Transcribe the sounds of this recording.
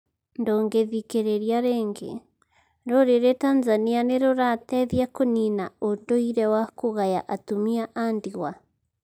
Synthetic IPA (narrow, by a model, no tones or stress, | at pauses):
ndɔŋɡeðikeɾeɾiaɾɛŋɡḛ | ɾoɾeɾetanzanianeɾoɾatɛðiakoninaodoiɾɛwakoɣaja̰ʔatumiaʔandiɣwa